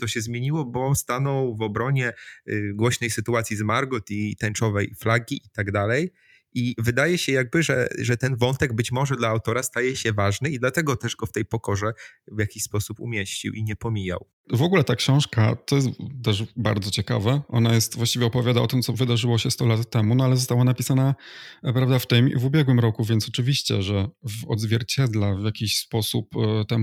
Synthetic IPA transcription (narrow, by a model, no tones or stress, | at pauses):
t̪ɔɕɛzmʲjeɲiwɔbɔst̪anɔwvɔbɾɔɲɛɡwɔɕnɛjsɘt̪uat̪sʲizmaɾɡʊt̪it̪ɛnt͡ʂɔvɛjflaɡʲiʔit̪aɡd̪alɛj | ivɘd̪ajɛɕɛjaɡ̚bɘʐɛ̰ʐɛt̪ɛnvɔnt̪ɛɡ̚bɘt͡ɕmɔʐɛd̪laːwt̪ɔɾast̪ajɛɕɛvaʐnɘid̪lat̪ɛɡɔt̪ɛʐɡɔft̪ɛjpɔkɔʐɛvʲjakʲiɕʲspɔsupṵmʲjeɕt͡ɕḭwʔiɲɛpɔmʲija̰w | vɔɡulɛt̪akɕɔ̃w̃ʂkat̪ɔjɛst̪t̪ɛʐba̰ɾd̪zɔt͡ɕɛka̰vɛʔɔnajɛst̪vwaɕt͡ɕivʲjɛɔpɔvʲjad̪aɔt̪ɘmt̪sɔvɘd̪aʐɘwɔɕɛst̪ɔlat̪ːɛmunɔalɛzɔst̪awanapʲisanapɾavd̪aft̪ɛmḭvubʲjɛɡwɘmɾɔkuvʲjɛnt̪sɔt͡ʂɘvʲiɕt͡ɕɛ̰ʐɛvɔ̰d̪zvʲjɛɾt͡ɕɛd̪lɛvʲjakʲiɕspɔsupt̪ɛm